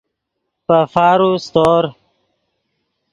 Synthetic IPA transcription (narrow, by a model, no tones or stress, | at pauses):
pəfaːɾust̪oːɾ